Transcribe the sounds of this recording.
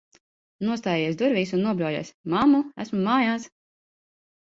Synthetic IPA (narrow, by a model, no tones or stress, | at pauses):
nuɔst̪aːjɛjiɛsd̪uɾvʲiːsunːuɔblʲɔjɛ̰smamːuæ̰smumaːjaːs